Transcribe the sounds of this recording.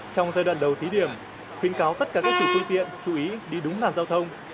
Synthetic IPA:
t͡ɕɔ˧wŋ͡mzaː˧jɗwa̰ː˧˨nɗə˨˩wt̪ʰi˨˦ɗi˧˩əm | xwi˨˦ənkaː˨˦wt̪ə˦˥t̚kaː˧˩kaː˦˥k̚sɨ̰˧˩t̪ɨ˧t̪ḭ˧˨ənt͡ɕu˧˩ʔi˨˦ɗi˧ɗʊ˨˦ŋ͡mlaː˨˩nzaː˧wt̪ʰə˧wŋ͡m

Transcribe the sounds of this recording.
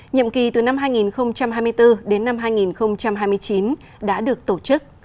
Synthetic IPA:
ɲə̰˧˨mki˨˩t̪ɨ˨˩na˧mɦaː˧jŋi˨˩nxə˧wŋ͡mt͡ɕa˧mɦaː˧jmɨ˧jt̪ɨ˧ɗe˨˦nːa˧mhɦaː˧jŋi˨˩nxə˧wŋ͡mt͡ɕa˧mɦaː˧jmɨ˧əjt͡ɕi˨˦n | ɗa̰ː˧˥ɗɨ˨˩ək̚t̪o˧˩t͡ɕɨ˦˥k̚

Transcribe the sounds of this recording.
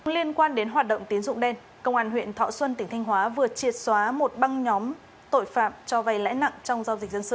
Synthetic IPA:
li˧ənkwaː˧nɗe˨˦nɦwaː˨˩t̚ɗə̰˧˨ŋ͡mt̪i˨˦ənzʊ̰˧˨ŋ͡mɗɛ˧n | kə˧˨wŋ͡mʔaː˧˩nhwḭ˧˨ənt̪ʰɔ̰˧˨swə˧nt̪ï˨˩ŋ̟t̪ʰa˧ŋ̟ɦwaː˨˦vɨ˨˩ət͡ɕi˨˩ət̚swaː˨˦mo˨˩t̚ɓa˧ŋɲɔ˨˦m | t̪o̰˧˨jfaː˧˨mt͡ɕɔ˧va˨˧˩jla̰ː˧˥jna̰˧˨ŋt͡ɕɔ˧wŋ͡mzaː˧wzï˨˩k̟̚zə˧nsɨ̰˧˨

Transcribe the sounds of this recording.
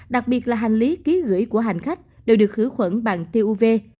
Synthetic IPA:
ɗa˨˩k̚ɓi˨˩ət̚laː˨˩ɦa˨˩ŋ̟li˨˦ki˨˦ɣɨ̰˧˩əjku˧˩əɦa˨˩jŋ̟xa˦˥jk̟̚ɗe˨˩wɗɨ˨˩ək̚hɨ˧˥˦xwə̰˧˥˩nɓa̰ː˧˨nt̪e˧ʔu˧ve˧

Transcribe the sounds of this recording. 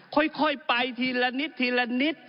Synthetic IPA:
kʰo˧˥˨jkʰo˧˥˩jpa˧jt̪ʰiː˧la˧ni˦˥t̪ʰːiː˧la˧ni˦˥t̪̚

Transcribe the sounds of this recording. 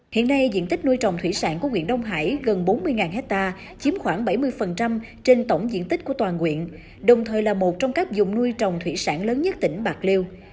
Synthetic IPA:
hḭ˧˨ənːa˧jzḭ˧˨ənt̪ï˦˥k̟̚nu˧jt͡ɕɔ˨˩wŋ͡mt̪ʰwḭ˧˥sa̰ː˧˥nku˧˩əŋwḭ˧˨ənɗə˧wŋ͡mɦa̰ː˧˥jɣə˨˩nɓo˨˦nmɨ˧əjŋaː˨˩nhɦɛ˦˥t̚t̪aː˧ | t͡ɕi˨˦əmxwaː˧˩ŋɓa˧˩jmɨ˧əjfə˨˩nt͡ɕa˧m | t͡ɕe˧nt̪ə˧˩wŋ͡mzḭ˧˥ənt̪i̟˦˥ku˧˩ət̪waː˨˩nkwḭ˧˨ən | ɗə˨˩wŋ͡mt̪ʰəː˨˩jlaː˨˩mo˨˩t̚t͡ɕɔ˧wŋ͡mka˦˥jk̚zʊ˨˩ŋ͡mnu˧jt͡ɕɔ˨˩wŋ͡mt̪ʰwḭ˧˥saː˧˥nləː˨˦nɲə˦˥t̚t̪ï˧˩ŋ̟ɓaː˨˩k̚li˧əw

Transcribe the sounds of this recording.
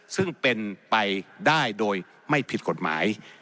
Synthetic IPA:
sɯ˥˩ŋpe˧npa˧jdaː˥˩jdoː˧j | ma˥˩jpʰi˨˩t̪̚ko˨˩t̪̚ma̰ː˩˦j

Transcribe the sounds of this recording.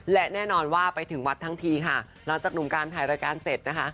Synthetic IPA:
lɛ˦˥ʔnɛː˥˩nɔː˧nwaː˥˩pa˧jt̪ʰɯ˨˩˦ŋwa˦˥t̪ʰːa˦˥ŋt̪ʰiː˧kʰa˥˩ | la˩˦ŋt͡ɕaː˨˩k̚nu˨˩˦kaː˧nt̪ʰaː˨˩jɾaː˧kaː˧nse˨˩t̪̚na˦˥kʰa˦˥ʔ

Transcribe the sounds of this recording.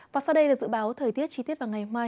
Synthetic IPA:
vaː˨˩sa˧wɗə˧jlaː˨˩zɨ̰˧˥ɓaː˨˦wt̪ʰəː˨˩jt̪i˦˥ət̚t͡ɕi˧t̪i˦˥ət̚vaː˨˩ŋa˨˩jmaː˧j

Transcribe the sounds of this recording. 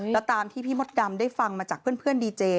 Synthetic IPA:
ɛ˦˥t̪aː˧mt̪ʰiː˥˩pʰiː˥˩mo˦˥t̪̚da˧mdaː˥˩jfa˧ŋmaː˧t͡ɕaː˨˩k̚ʰɯ˥˩ənpʰɯ˥˩əndiː˧t͡ɕeː˧

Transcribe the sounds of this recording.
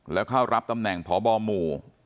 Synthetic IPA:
lɛː˦˥wkʰaː˥˩wɾa˦˥p̚t̪a˧mnɛ˨˩ŋpʰɔː˩˦bɔː˧muː˨˩

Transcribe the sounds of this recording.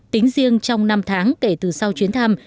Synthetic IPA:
t̪ï˨˦ŋ̟zi˧əŋt͡ɕɔ˧wŋ͡mna˧mt̪ʰaː˨˦ŋke˧˩t̪ɨ˨˩sa˧wt͡ɕwi˨˦ənt̪ʰa˧m

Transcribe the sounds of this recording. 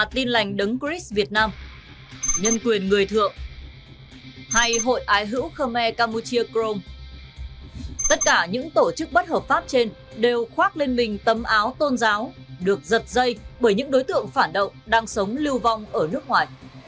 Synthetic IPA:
t̪i˧nla˨˩jŋ̟ɗɨ˨˦ŋkɹi˦˥svi˨˩ət̚naː˧m | ɲə˧nkwi˨˩ənŋɨ˨˩əjt̪ʰɨ̰˧˨əŋ | ha˧jɦo̰˧˨jʔaː˨˦jɦɨ̰˧˥wxəː˧mɛ˧kaː˧mu˧t͡ɕi˧əkɾo˧m | t̪ə˦˥t̚kaː˧˩ɲɨ̰˧˥ŋt̪o˧˩t͡ɕɨ˦˥k̚ɓə˦˥t̚həː˨˩p̚faː˦˥p̚t͡ɕe˧nɗe˨˩wxwaː˦˥k̚le˧nmï˨˩ŋ̟t̪ə˨˦mʔaː˨˦wt̪o˧nzaː˨˦wɗɨ˨˩ək̚zə˨˩t̚zə˧jɓəː˧˩jɲɨ̰˧˥ŋɗo˨˦jt̪ɨ̰˧˨əŋfaː˧˩nɗə̰˧˨wŋ͡mɗaː˧ŋsə˨˦wŋ͡mli˧əwva˧wŋ͡mʔəː˧˩nɨ˦˥ək̚ŋwaː˨˩j

